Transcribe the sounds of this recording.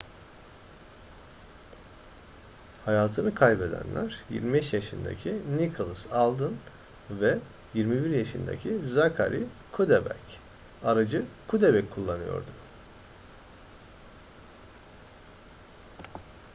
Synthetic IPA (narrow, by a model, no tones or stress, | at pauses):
hajaːt̪ʰɯnɯkʰajbe̞d̪æ̰nlʲæɾ̥jḭɾmibɛʃjaʃɯnd̪a̰cʰinikʰolˠɯsalˠd̪ɯn | vɛ | jiɾmibiɾjaʃɯnd̪a̰cʰizakʰa̰ɾʔikʰud̪ebɛ̰c | aɾad͡ʒɯkʰud̪ebɛcʰulˠːanɯjo̞̰ɾd̪ʊ